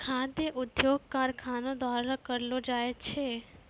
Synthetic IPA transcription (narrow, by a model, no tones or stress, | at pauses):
kʰad̪jəʔʊd̪joɡ̚kaɾkʰanod̪ʋaɾakəɾlod͡ʒajt͡ʃʰe